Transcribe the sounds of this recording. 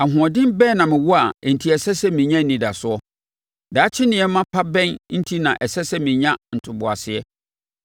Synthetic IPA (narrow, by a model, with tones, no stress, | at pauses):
a˨ɦʊ̃˨ɔ˨dɪ̃˦mbɛː˦˨nã˨mɪ̃˨wɔ˦a˨ɛ˨n̩˨tʰi˦ɛ˨sɛ˦sɛ˦mɪ̃˨ɲã˦˨nĩ˨da˨sʊ˦ɔ˦ | daː˨˦t͡ɕʰɪ˦nɪ̃˨ɛ˦mã˦pʰa˦bɛ̃˦nn̩˦tʰi˦nã˨ʔɛ˨sɛ˦sɛ˦mɪ̃˨ɲã˦n̩˨tʰʊ˨bʊ˨a˨sɪ˨ɛ˦